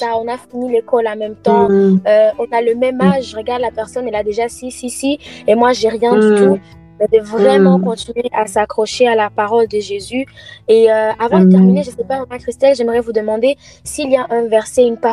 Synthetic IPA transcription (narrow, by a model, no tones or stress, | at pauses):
aɔ̃nafinilekɔlãmɛ̃mt̪ɑ̃øɔ̃naləmɛmaʒʒəʁəɡaʁd̪lapɛʁsɔnɛlad̪eʒasisisiemwaʒeʁjɛ̃d̪yt̪u | ɛd̪əvʁɛmɑ̃kɔ̃t̪inɥeʔasakχɔʃealapaʁɔld̪əʒezyeøavɑ̃d̪ət̪ɛʁmineʒəsɛpavʁɛmɛ̃kχist̪ɛlʒɛmʁɛvud̪əmɑ̃d̪e | siːljaʔɛ̃vɛʁsɛynpa